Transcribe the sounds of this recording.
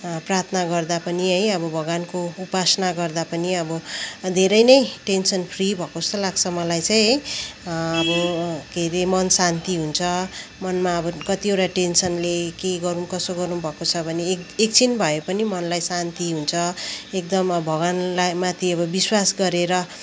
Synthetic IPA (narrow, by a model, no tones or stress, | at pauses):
prart̪ʰnaɡʌrd̪apʌniɦʌjʌbʌbʱʌɡankoupasnaɡʌrd̪apʌniʌbʌd̪ʱeɾʌjnʌjʈensʌnpʰribʱʌkost̪ʌlaɡsʰʌmʌlajt͡sãj̃ɦʌj | ʌbʌkeɾemʌnsant̪iɦunt͡sʰʌmʌnmaʌbʌkʌt̪ioʈaʈensʌnlekeɡʌɾumkʌsoɡʌɾnubʱʌkot͡sʰʌbʱʌneekt͡sʰinbʱʌepʌnimʌnlajsant̪iɦunt͡sʰʌek̚d̪ʌmbʱʌɡanlajmat̪ʰiʌbʌbiswasɡʌɾeɾʌ